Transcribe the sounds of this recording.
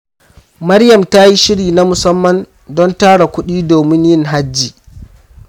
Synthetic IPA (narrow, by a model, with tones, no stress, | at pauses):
mɐ˦ɾjɐ˨mta˦ji˦ʃɪ˦ɽiː˨na˦mʊ˨sɐ˦mːɐ˨n | dɔ˦ntaː˦ɽa˨kʷʊ˦ɗiː˦doː˨mɪ˦njɪ˦ŋɦa˦d͡ʒːiː˨